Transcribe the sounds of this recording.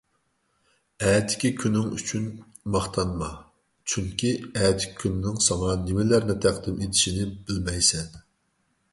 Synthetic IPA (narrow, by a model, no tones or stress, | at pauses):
ɛːt̪ʰɪ̥kʲikʲʰynɪŋy̰t͡ʃʰyn | mɑχt̪ʰɑnmɑ | t͡ʃʰyŋkʲiɛːt̪ʰɪ̥kʲi̥kʲʰynɪnɪŋsɑŋɑnɪmɪlæɾnɪt̪ʰæqd̪ɪmet̪ʰɪ̥ʃinɪbɪlmɛjsɛn